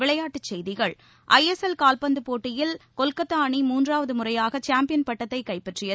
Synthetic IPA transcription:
ʋɪɭɐjaːʈːɯt͡ʃːɛjðɪɣɐɭ | ʔɐjɛsɛlkaːlpɐnd̪ɯpoːʈːɪjɪlkɔlkɐt̪ːaːɳimuːndraːʋɐðɯmʊrɐjaːɣɐt͡ʃaːmpɪjɐnpɐʈːɐt̪ːɐɪkɐɪpːɛʈrɪjɐ

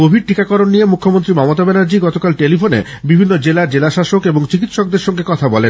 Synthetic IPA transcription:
kobʱiɖʈikakɔɾonːijemukʰːomont̪ɾimɔmot̪abenaɾd͡ʑiɡɔt̪okalʈelifʰonḛ | bibʱinːod͡ʑelaɾd͡ʑelaʃaʃokeboŋt͡ɕik̬it̪ːʃok̚d̪eɾʃɔŋɡekɔt̪ʰabɔlen

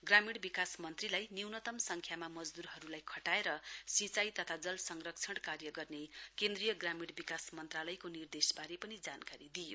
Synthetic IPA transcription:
ɡramiɽbikasmʌnt̪rilajniwnʌt̪ʌmsʌŋkʰjamamʌd͡zd̪uɾɦʌɾulajkʰʌʈaeɾʌsit͡sajt̪ʌt̪ʰad͡zʌlsʌŋrʌk̚t͡sʰʌɽkarjʌɡʌrnekend̪rijʌɡramiɽbikasmʌnt̪ralʌjkonird̪esbaɾepʌnid͡zankaɾid̪ijo

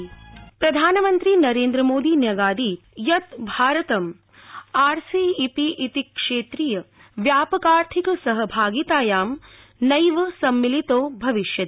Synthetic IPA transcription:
pɾɐd̪ʱaːnɐmɐnt̪ɾinɐɾeːnd̪ɾɐmoːd̪iːnjɐɡaːd̪iː | jɐt̪bʱaːɾɐt̪ɐm | aːɾsiːipiʔit̪ikʂeːt̪ɾijɐ | ʋjaːpɐkaːɾt̪ʰikɐsɐɦɐbʱaːɡit̪aːjaːm | nɐjʋɐsɐmːilit̪oːbʱɐʋiʃjɐd̪

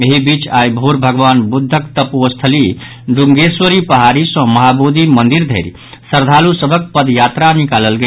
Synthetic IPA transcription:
eɦibit͡ʃajbʱoɾbʱəɡʋanbud̪ʱːəkt̪əpuəst̪ʰəli | ɖuŋɡeswəɾipəɦaɾisə̃məɦabud̪ʱimənd̪iɾd̪ʱeɾi | səɾd̪ʱalusəbʱək̚pəd̪jat̪ɾanikaləlɡe

